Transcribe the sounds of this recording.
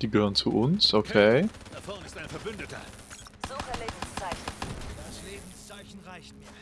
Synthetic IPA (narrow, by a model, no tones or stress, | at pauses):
d̥iːɡəhøːʁənt͡suʔʊnsʔokʰe̥ːɔɪstaɪnfɛɐbʏndətɐ̰ | z̥uːʁəleːbm̩st͡saɪçn̩ː | aɪa